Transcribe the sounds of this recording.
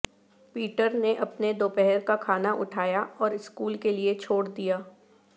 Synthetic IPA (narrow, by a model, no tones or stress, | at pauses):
piːʈəɾneʔɐpned̪oːpɛɦɛɾkakʰaːnaʔʊʈʰaːjaɔːɾɪskuːlkeliet͡ʃʰoːɽd̪ijaː